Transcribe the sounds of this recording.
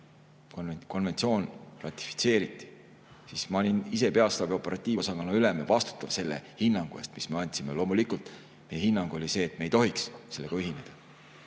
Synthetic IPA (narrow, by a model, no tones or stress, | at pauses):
koko̞nve̞nt̪sio̞ːnrɑt̪ʲːˑi̥fi̥t̪se̞ːɾit̪ˑːi̥ | sismɑolʲinise̞pe̞ɑst̪ɑbio̞pːˑe̞ɾɑt̪ʲːˑiːosɑɡɑnːɑylemevɑst̪u̥t̪ːˑɑv̥se̞lːḛhinːɑŋɡ̥uḛst̪misme̞ɑnʲt̪sime̞lo̞ːmulikult̪ | mejehinːɑŋɡ̥uo̞lʲise̞ːt̪ːme̞jt̪o̞ɦiksse̞lːe̞ɡɑyɦine̞d̪̥ɑ